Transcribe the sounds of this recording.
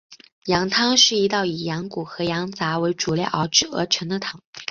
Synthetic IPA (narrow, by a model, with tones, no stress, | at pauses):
jɑ˧˥ŋt̪ʰɑ˥ŋʂɻ̩˥˩i˧˥t̪ɑ˥˩ʊi˨˩jɑ˧˥ŋku˨˩xɤ˧˥jɑ˧˥ŋt͡sa˧˥we˧˥ɪʈ͡ʂu˨˩ljɛ˥˩ʔɑ˧˥ʊʈ͡ʂɻ̩˥˩ɤ̰˧˥ʈ͡ʂʰɤ˧˥ŋd̪ə˧t̪ʰɑ˨˩˦